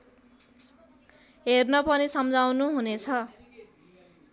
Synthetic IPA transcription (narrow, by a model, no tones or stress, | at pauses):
ɦernʌpʌnisʌmd͡zawnuɦunet͡sʰʌ